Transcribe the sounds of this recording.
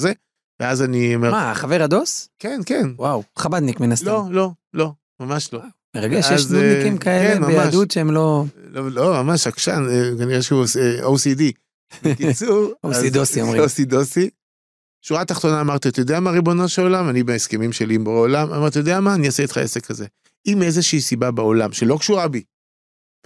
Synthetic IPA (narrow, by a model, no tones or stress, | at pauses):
ze | veazanimemaχaveʁad̪oskenkenwawχabad̪nikminastlolo̞ | lo̞ | mamaʃlo̞ | meʁaɡejeʃzkimkaekenmaemaaʃdut̪ʃeemlololomamaʃakʃanekaniʁeʃeusʔosid̪i | mekit͡suʁoazid̪osiomʁiosid̪osi | ʃuʁat̪aχt̪o̞naːmaʁt̪iat̪ajod̪eamaʁibo̞noʃeolamanibeeskemimʃeliːmboeolama̰maʁt̪ajod̪eamaːniaseit̪χa̰ʔese̞kaze̞ | imezeʃiisibabeolamʃelo̞kʃuʁabi